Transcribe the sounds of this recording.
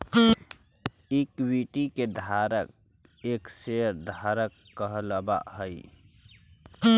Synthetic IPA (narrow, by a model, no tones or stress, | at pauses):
ikbiʈiked̪ʱaɾək̚ | ekseɾd̪ʱaɾəkːəɦləba̰ɦəj